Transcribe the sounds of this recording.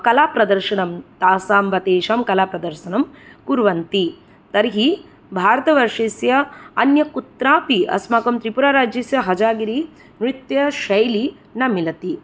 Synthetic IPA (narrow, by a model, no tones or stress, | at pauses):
kɐlaːpɾɐd̪ɐɾʃɐɳɐmt̪aːsaːmʋɐt̪eːʃɐmkɐlaːpɾɐd̪ɐɾʃɐnɐmkuɾʋɐnt̪i | t̪ɐɾɦi | bʱaːɾɐt̪ɐʋɐɾʂeːsjɐɐnjɐkut̪ɾaːpiʔɐ̰smaːkɐmt̪ɾipuɾaːɾaːd͡ʒjɐsjɐɦɐd͡ʒaːɡiɾi | mɾit̪jɐʃɐjli | nɐmilɐt̪i